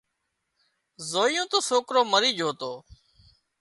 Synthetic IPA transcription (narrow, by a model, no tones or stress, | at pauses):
zoːijõːt̪oːsoːkɾoːməɾiːd͡ʒʱoːt̪oː